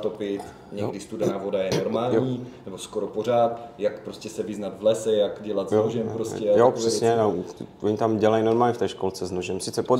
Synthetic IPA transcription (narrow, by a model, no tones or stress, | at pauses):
t̪opɪt̪ | ɲɛɡdɪst̪udanavodajɛnoɾmaːljɲiːnɛboskoɾopor̝aːt̪jakpɾoscʲɛsɛvɪznat̪vlɛsɛjakɟɛlat̪zjooʒɛmpɾoscɛjopr̥ɛsɲɛnɛwʔoɲɪt̪amɟɛlajnoɾmaːlɲɛft̪ɛːʃkolt͡sɛznoʒɛmsɪt͡sɛpo